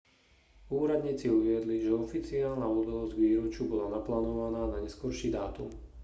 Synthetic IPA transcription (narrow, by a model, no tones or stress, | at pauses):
uːɾad̪ɲiːt͡siuʋɪɛd̪liʒɛɔfit͡siaːlnaud̪alɔzɟɡʋiːɾɔt͡ʃubɔlanaplaːnɔʋanaːnaɲɛskɔɾʃiːd̪aːt̪ṵm